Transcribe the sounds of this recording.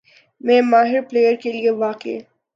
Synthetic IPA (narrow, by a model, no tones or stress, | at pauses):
mɛ̃ːmaːɦɪɾpleːjəɾkelieʋaːqḛː